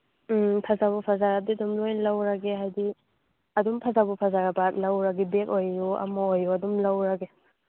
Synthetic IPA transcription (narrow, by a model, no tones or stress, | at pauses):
m̩pʰazabupʰazaɾadidumlojnlɐwɾaɡeɦajdi | ɐdumpʰazabupʰazaɾabat̚lɐwɾaɡibekojuɐ̰mɐojːuɐdumlɐwɾaɡe